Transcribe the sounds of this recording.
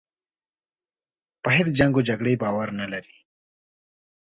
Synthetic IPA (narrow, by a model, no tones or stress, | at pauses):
pəɦed̪d͡ʒaŋɡod͡ʒaɡɽebɑwaɾnalaɾi̥